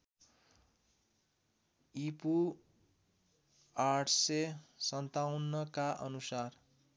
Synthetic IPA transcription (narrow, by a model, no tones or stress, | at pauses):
ipu | aʈʰsesʌnt̪awnːʌkaʔʌ̰nusar